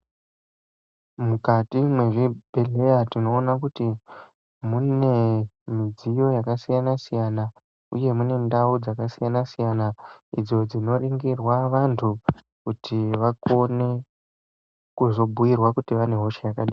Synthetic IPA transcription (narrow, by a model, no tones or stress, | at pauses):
mukatimwe̞ʐibʱele̞jatino̞ːnakuti | mune̞mid͡zijo̞jakasijanasijana | ṵje̞mune̞ndaud͡zakasijanasijanaḭd͡zo̞d͡zino̞riŋɡirwaʋantʰu | kutʰiʋako̞ne̞ | kuzo̞bʱujirwakutiʋane̞ɦo̞ʃejakaɗiː